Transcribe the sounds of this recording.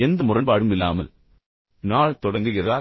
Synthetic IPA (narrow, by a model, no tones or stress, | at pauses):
ɛnd̪ɐmʊrɐnbaːɽɯmɪlːa̰ːmɐ̰l | naːɭt̪ɔɽɐŋɡɯɣɪɾaː